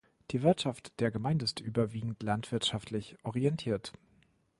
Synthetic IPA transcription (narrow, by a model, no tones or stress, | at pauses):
d̥iːvɪɐtʃaftd̥eːɐɡəmaɪndəɪstʔyːbɐviːɡŋ̩tlantv̥ɪɐtʃaftʰlɪçʔɔʁiɛntʰiːɐt